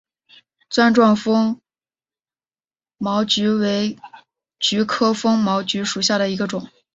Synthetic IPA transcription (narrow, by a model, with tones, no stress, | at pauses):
t͡swa˥˧nʈ͡ʂwɑ˥˩ŋfɤ˥ŋ | mɑ˧˥ʊt͡ɕy˧˥we˧˥ɪ | t͡ɕy˧˥kʰɤ˥fɤ˥ŋmɑ˧˥ʊt͡ɕy˧˥ʂu˨˩ɕja˥˩ɾə˩i˧˥ɡə˧ʈ͡ʂʊ˨˩˦ŋ